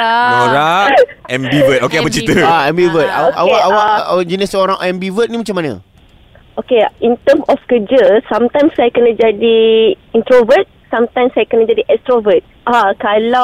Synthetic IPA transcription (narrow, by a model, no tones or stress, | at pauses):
aoɾa | ɛ̃mbivət̪̚okeabət͡ʃit̪əaɛmbivət̪̚aawaawawd͡ʒinəsoɾãŋʔɛ̃mbivət̪̚nĩmat͡ʃamanə̰ | okeĩnt̪əmɔfkəd͡ʒəsãmt̪ãj̃msajkənəd͡ʒadiĩnt̪ɾovət̪̚sãmt̪ãjmsajkənəd͡ʒadiʔɛst̪ɾovət̪̚ʔakala